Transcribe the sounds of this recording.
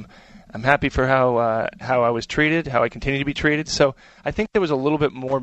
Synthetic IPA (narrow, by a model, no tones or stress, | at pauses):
ʔãɪ̃mɦæpifə˞ɦaʊhaʊaɪwʌz̥tʰɹ̥iɾɪd̚ɦaʊaɪkʰn̩tʰɪ̃njʉd̚tʰɨbitʰɹ̥iɾɨd̥soʊ | aɪθɪ̃ŋk̚ðət̚wʌzəlɪɾl̩ˠbɪt̚mɔɹ